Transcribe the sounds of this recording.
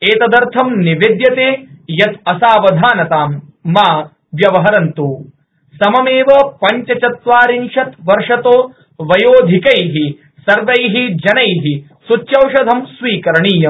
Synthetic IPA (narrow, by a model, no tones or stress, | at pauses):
eːt̪ɐd̪ɐɾt̪ʰɐmniʋed̪jɐt̪eːjɐt̪ɐsaːʋɐd̪ʱaːnɐt̪aːmː | aː | ʋjɐʋɐɦɐɾɐnt̪uː | sɐmɐmeːʋɐpɐɲt͡ʃɐt͡ʃɐt̪ʋaːɾinʂɐt̪ʋɐɾʂɐt̪oː | ʋɐjoːd̪ʱikɐjɦi | sɐɾʋɐjɦid͡ʒɐnɐjɦi | sut͡ʃjɐwʃɐd̪ʱɐmsʋiːkɐɾɐɳiːjɐm